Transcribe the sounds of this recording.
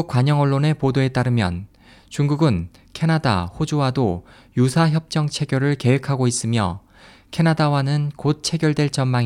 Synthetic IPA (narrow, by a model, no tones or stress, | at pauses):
uk͈waɲʌŋʌɭːone̞podoe̞t͈aɾɯmjʌ̰n | t͡ɕuŋɡuɡɯn | kʰe̞nada̰ɸod͡ʑuwado | jusʰaçjʌp̚t͡ɕ͈ʌŋt͡ɕʰe̞ɡjʌɾɯɭke̞ɦwekʰaɡois͈ɯmjʌ̰ | kʰe̞nadawanɯnkot̚t͡ɕʰe̞ɡjʌɭdwe̞ɭt͡ɕʌnmaŋ